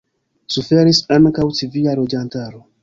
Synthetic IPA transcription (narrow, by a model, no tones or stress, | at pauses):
sufeɾisankawtivijaɾod͡ʒantaɾo